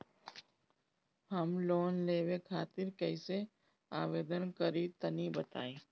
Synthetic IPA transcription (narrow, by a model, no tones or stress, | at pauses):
ɦɐmloːnleːwekʰaːt̪ɪɾkɛɪse | aːʋeːd̪ənkəɾit̪ɐnibɐt̪a̰ːeː